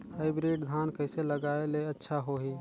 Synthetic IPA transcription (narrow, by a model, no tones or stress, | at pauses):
haɪbɾiɖd̪ʱaːnkəɪseləɡaːeleətːʃʰaɦoɦiː